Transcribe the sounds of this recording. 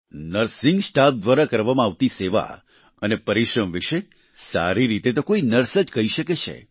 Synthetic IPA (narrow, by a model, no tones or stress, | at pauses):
nəɾsɪ̃ŋɡsʈap̚d̪ʋaɾakəɾʋamãaʋt̪iseʋa̰ | ənepəɾiʃɾəmʋiʃe | sa̰ɾiɾit̪et̪okoinəɾsəd͡ʒkəiʃəket͡ʃʰḛ